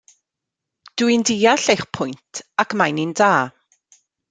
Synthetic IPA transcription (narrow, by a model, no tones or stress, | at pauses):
d̥uindiːaɬejχpʰʊjntʰakmajnindaː